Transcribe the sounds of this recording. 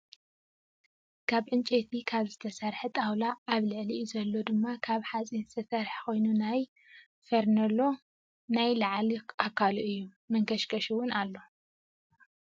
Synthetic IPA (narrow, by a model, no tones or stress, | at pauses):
kʰaβʕɨnt͡ʃʼet̪ʰikʰaβzɨt̪ʰɐsɐɾħɨt̪ʼawlaːβlɨʕlizɐlːo̞d̪ɨmːakʰaβħat͡sʼizɨt̪ʰɐsɐɾħko̞jnunaj | fɐɾnɐlo̞ | najlaʕliʔakʰːaluʔɨjːu | mɐŋkʰɐʃkʰɐʃuwʊnalːo̞